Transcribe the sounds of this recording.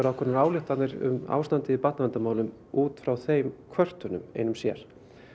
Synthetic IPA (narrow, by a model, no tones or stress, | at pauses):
ɛɾawkʰvɛɾnɾaːwlɪht̪annɪɾʏ̰ma̰wst̪ant̪ɪɪpat̪navant̪amaːwlʏm | uːt̪fɾawθejmkʰvœr̥t̪ʏnʏmḛjnʏmsjɛ̰ɾ̥